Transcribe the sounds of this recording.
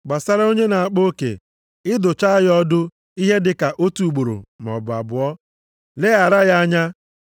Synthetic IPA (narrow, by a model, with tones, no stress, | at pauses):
ɡ͡ba˨sa˦ɾa˦o˦ɲe˦na˨a˨k͡po˦kḛ˨ | ɪ˦dʊ˨t͡ʃa˦ɣɔ˦dʊ˦ | i˦ɦe˦dɪ˨ka˨ʔo˦tu˨ɡ͡bo˨ɾo̰˨m˨ɔ̰˨bʊ˨a̰˨bʊ˨ɔ˦ | le˦a˨ɾa˦ja˦ɲa˦